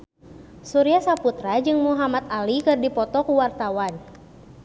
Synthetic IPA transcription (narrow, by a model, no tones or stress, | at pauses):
suɾiasaput̪ɾad͡ʒɨŋmuɦamat̪̚alikɨrdipɔt̪ɔkuwart̪awan